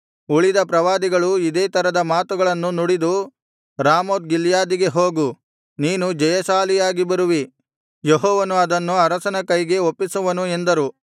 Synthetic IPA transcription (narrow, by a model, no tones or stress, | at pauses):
uɭid̪ɐpɾɐʋaːd̪iɡɐɭuid̪eːt̪ɐɾɐd̪ɐmaːt̪uɡɐɭɐnːunuɽid̪u | ɾaːmoːt̪̚ɡiljaːd̪iɡe̞ɦoːɡu | niːnud͡ʒɐjɐsaːlijaːɡibɐɾuʋi | jeɦɔːʋɐnuɐd̪ɐnːuɐɾɐsɐnɐkɐjɡe̞opːisuʋɐnue̞nd̪ɐɾu